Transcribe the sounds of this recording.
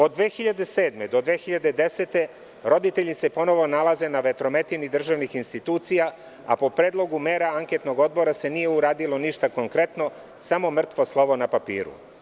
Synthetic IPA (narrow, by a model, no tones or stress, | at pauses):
o̞d̪ːʋe̞ːxiʎad̪e̞se̞ːd̪me̞d̪o̞d̪ʋe̞ːxiʎad̪ed̪e̞se̞t̪e̞ | ɾo̞d̪it̪e̞ʎise̞po̞no̞ʋo̞nalaze̞naʋe̞t̪ɾo̞me̞t̪inid̪r̩ʒaʋnixinst̪it̪uːt̪sija | a̰po̞pɾeːd̪lˠo̞ɡume̞ːɾaaŋket̪no̞ɡo̞d̪̚bo̞ɾase̞nije̞uɾaːd̪ilo̞niʃt̪ako̞ŋkɾe̞t̪no̞ | samo̞mr̩t̪ʋoslˠo̞ʋo̞napapḭːɾṵ